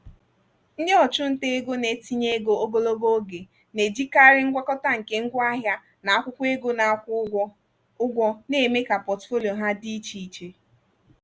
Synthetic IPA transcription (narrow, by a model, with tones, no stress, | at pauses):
n̩˦dɪ˦ɔ˨t͡ʃʊ˦n̩˦te˦ɡo˦ne˨ti˦ɲe˦e˦ɡo˨o˦ɡo˦lo˦ɡo˦ɡe˨ | ne˨d͡ʒi˦ka˦ɾɪ˦ŋ̩˦ɡʷa˦kɔ˦ta˦ŋ̩˨ke˦ŋ̩˦ɡʷa˦ɦja˦ | na˨a˦kʷʊ˦kʷe˦ɡo˦na˨kʷ | ʊ˦ɡʷɔ˦ne˨me˦ka˨pɔ˨tfo˦li˨o˨ɦa˦di˦t͡ʃi˨i˨t͡ʃe˨